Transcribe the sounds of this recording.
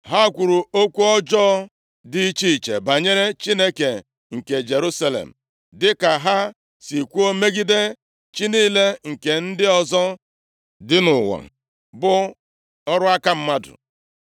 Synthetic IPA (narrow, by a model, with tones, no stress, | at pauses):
ɦa˦kʷu˨ɾu˨o˦kʷu˦ɔ˦d͡ʒɔː˦ | di˦i˦t͡ʃi˦i˨t͡ʃḛ˨ba˨ɲe˦ɾe˦t͡ʃi˦ne˦ke˨ | ŋ̩˨ke˨d͡ʒe˨ɾu˦sa˦lḛ˨m̩˨ | dɪ˦ka˨ɦa˦ | si˨kʷu˦o˦me˦ɡi˦de˦ | t͡ʃi˦niː˦le˦ŋ̩˨ke˨n̩˦dɪ˦ɔ˦zɔ˦ | dɪ˦nʊ˨wa̰˨ | bʊ˦ | ɔ˦ɾʊ˦a˦ka˦m̩˦ma˦dʊ̰˨